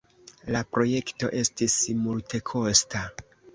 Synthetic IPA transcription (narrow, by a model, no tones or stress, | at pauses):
lapɾo̞je̞kto̞̰ʔe̞stismultʰe̞kʰo̞sta